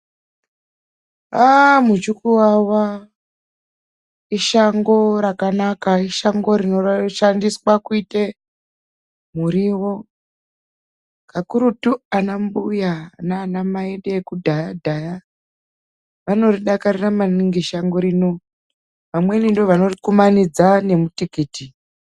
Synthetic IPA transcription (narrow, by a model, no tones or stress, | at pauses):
amut͡ʃukuwawa | iʃaŋɡo̞ɾakanakaiʃaŋɡo̞ɾino̞ʃandiswakuite | muɾiwo̞ | kakuɾutuanambujanaːnamaeɗeːkudʱajadʱaja | ʋano̞riɗakaɾiramaniŋɡiʃaŋɡo̞ɾino̞ | ʋamwe̞nindoʋano̞rikumanid͡zane̞mutikiːti